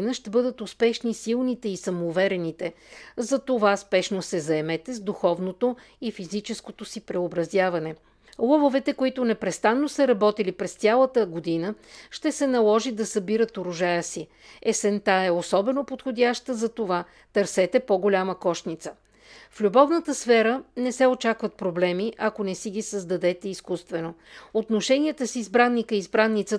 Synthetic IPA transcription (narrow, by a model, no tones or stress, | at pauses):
nəʃt̪ɛbɤd̪ət̪ʊspɛʃnisilˠnit̪ɛisɐmoːvɛɾɛnit̪ɛ | zɐt̪ovaspɛʃnosɛzɐɛmɛt̪ɛzd̪uxɔvnot̪o | ifizit͡ʃɛskot̪osipɾɛobɾɐzjavɐnɛ | lˠɔvovɛt̪ɛkoit̪ʊnɛpɾɛst̪anːosəɾɐbɔt̪ilipɾɛst̪ʲjalˠət̪əɡod̪inəʃt̪ɛsɛnɐlˠɔʒid̪ɐsɐbiɾət̪oɾʊʒajəsi | ɛsɛnt̪aɛosɔbɛnopot̪xod̪ʲaʃt̪əzɐt̪ova | t̪əɾsɛt̪ɛpoɡolʲaməkɔʃt̪nit̪sə̥ | flʲubɔvnət̪əsfɛɾənɛsɛot͡ʃakvɐt̪̚pɾoblɛmiʔɐkonɛsiɡʲisəzd̪ɐd̪ɛt̪ɛiskust̪vɛnoot̪noʃɛnʲiɛt̪əsizbɾanːikəiːzbɾanːit̪sə